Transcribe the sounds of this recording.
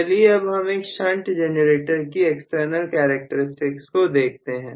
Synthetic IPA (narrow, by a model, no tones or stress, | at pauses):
lieɐbɦɐmeːkʃɐ̃ɳʈd͡ʒɛnəɾeːʈəɾkieksʈəɾnəlkɛːɾək̚ʈəɾɪsʈɪkskod̪eːk̚ʰt̪eɦɛ̃ː